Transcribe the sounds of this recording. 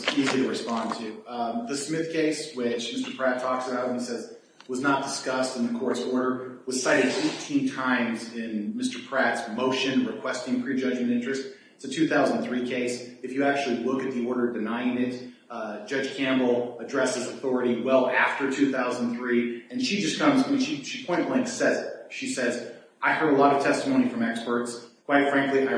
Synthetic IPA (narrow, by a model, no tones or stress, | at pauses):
izlˠiɾɨɹɨspɑ̃ntʰʉðɨsmɪθkʰeɪswɪt͡ʃmɪstə˞pʰɹ̥ætʰɔksəbaʊɾn̩sɛz | wʌznət̚d̥ɨskʌstɨ̃n̩ðɨkʰɔɹsɔɹɾə˞wʌz̥saɪɾɨd̥fɪftʰĩntʰãɪ̃mzɪ̃nmɪstə˞pʰɹ̥ætsmoʊʃɨ̃nɹɨkʰw̥ɛstɪ̃ŋpʰɹ̥id͡ʒʌd͡ʒmɨ̃ntɪ̃nt͡ʃɹ̥ɨst | ɨtʰʉθaʊzn̩θɹikʰeɪsɨfjɨæk̚t͡ʃʉl̩ˠilʊkɨt̪̚ðiɔɹɾə˞dɨnaɪɪ̃ŋɪt̚ | d̥d͡ʒ̥ʌ̥ʒ̥kʰæ̃mbl̩ˠədɹɛshɨzɨθɔɹɨɾiwɛlˠæftə˞tʰʉθaʊz̃n̩θɹiɨ̃nʃid͡ʒʌskʰʌ̃mzmĩnʃiʃipʰɔ̃ɪ̃nlɪ̃ŋksɛzʃisɛz | ʔaɪhɜə˞ɾəlɔɾʌv̥tʰɛstəmõʊ̃ñifɹʌ̃mɛkspə˞tskʰw̥aɪtfɹæ̃ŋkliaɪ